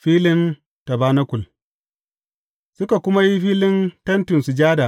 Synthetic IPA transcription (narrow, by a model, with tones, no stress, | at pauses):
ɸiː˦lɪ˦n | ta˨baː˦na˦kʷʊ˨l | sʊ˦ka˨kʷʊ˦ma˦ji˦ɸiː˦lɪ˦ntɐ˦ntʊ˨nsu˨d͡ʒaː˦da˨ʔ